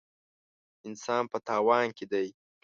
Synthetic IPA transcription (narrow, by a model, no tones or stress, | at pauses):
ɪnsɑːnpət̪ɑːwɑnked̪aj